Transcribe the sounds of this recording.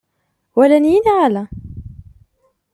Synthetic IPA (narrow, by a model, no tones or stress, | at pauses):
wælænjinʕalæ